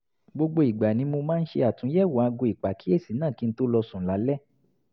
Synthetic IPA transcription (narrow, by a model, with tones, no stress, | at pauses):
ɡ͡bo˧ɡ͡bo˧i˨ɡ͡ba˨nĩ˧˦mo˧mãː˦n̩˦ʃḛ˧a˨tũ˨˦ɛ˦˨wa˨a˧ɡõ˧i˨k͡pa˨ki˨˦e˦˨si˨˦nãː˦˨ki˨˧n̩˦to˦lɔ˧sũ˨la˨˦lɛ˦